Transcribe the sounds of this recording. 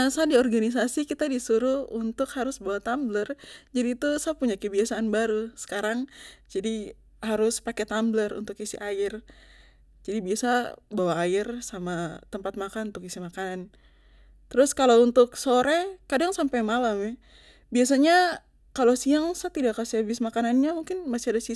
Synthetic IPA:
asadiɔrɡanis̬asikit̪adisuɾuunt̪ʊkhaɾʊsbawat̪amblərd͡ʒadiːt̪usapuɲakəbiasaːnbaɾusə̥kaɾaŋd͡ʒadi | ɦaɾʊspakɛt̪amblərṵnt̪ʊkisḭʔaɪr | d͡ʒadibiasabawaːɪrsamat̪əmpat̪̚makanunt̪ʊkisimakanan | t̪əɾʊskalount̪ʊksoɾɛkadaŋsampajmalamɛ | bias̬aɲa | kalosiaŋsat̪idakːasiabɪsmakananɲamuŋkɪnmasiadasi

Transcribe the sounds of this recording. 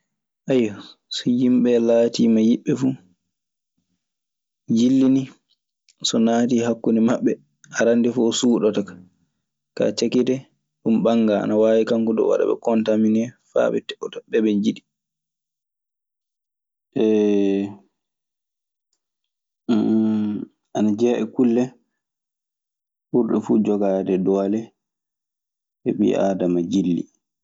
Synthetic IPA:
ʔajːasɔjimɓɛlaːtiːmajiɓːɛfu | d͡ʒilːini | sɔnaːtihakːunimaɓːɛ | ʔaɾandifuɔsuːɗɔtakḁ | ka̰t͡ʃakitɛ | ɗumɓaŋɡaa̰nawaːwikaŋkɔdɔ̰wa̰ɗa̰bɛ̰kɔntaminɛfa̰ːɓɛ̰tɛɔtaɓɛɓɛɲd͡ʒiɗi | ʔɛ | ʔanad͡ʒɛːʔɛkulːɛ | huɾɗɛfud͡ʒɔɡaːdɛdɔːlɛ | ɛ̰ɓḭaːdamad͡ʒilːḭ

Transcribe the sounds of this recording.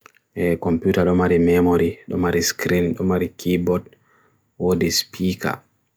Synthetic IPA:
ʔɛkɔmpjuːtaɗɔmaɾimɛmoɾiɗɔ̰maɾiskɾinɗɔmaɾikʰibɔd | wodispʰika̰

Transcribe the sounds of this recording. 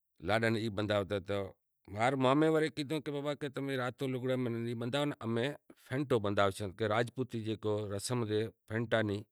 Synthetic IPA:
laːɗəniːɓənd̪ʱaːʋt̪eːt̪ə | maːɾmaːmẽːʋəɾeːkĩːd̪õːkebaːbaːkeːt̪əmẽːɾaːt̪õːlʊɡɽeːməniːɓənd̪ʱaːʋnʔəmẽːpʰẽːɳʈoːɓənd̪ʱaːʋet͡ʃʰə̃nt̪̚keɾaːd͡ʒput̪iːd͡ʒeːkoːɾəsəmd̪eːpʰẽːɳʈaːnĩː

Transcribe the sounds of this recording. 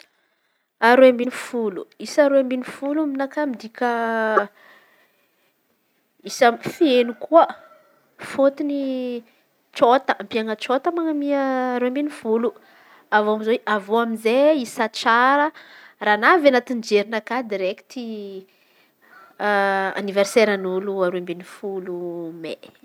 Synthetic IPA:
aɾuambinifulṵisaɾuambinifuluminakamid̪ikʲə | isamfenukuə | fot̪ini | t͡ʃot̪əmpiaŋət͡ʃot̪əmaŋamiːɾuambenifulu | avoamzoweʔavoamizeisat͡saɾə | raːnavanat̪ind͡ʒeɾinakad̪iɾekt̪i | a̰niverseɾanuluaɾoambenifulume

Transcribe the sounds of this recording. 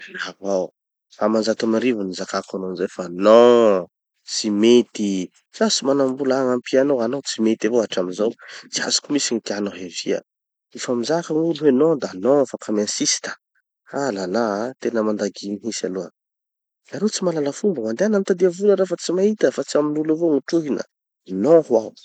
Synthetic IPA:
avaw | famanzat̪amaɾivunizakakanonzefano | t͡simet̪i | t͡sasimanambulaŋampianowanowt͡simet̪avoaʈ͡ʂaminzowt͡sia̰zu̥kumisinit̪ianoɦeviə̰ | ifamizakəŋuluɦenod̪anofakamãsisi̥t̪ə̥ | alanat̪enəmand̪aɡiniɦisa̰luə̰n | naɾot͡simalaləfumbəmand̪eanamit̪ad̪iavuləɾafat͡simaɦit̪əfat͡siaminuluvoŋuʈ͡ʂuɦinə̰ | nohwaw

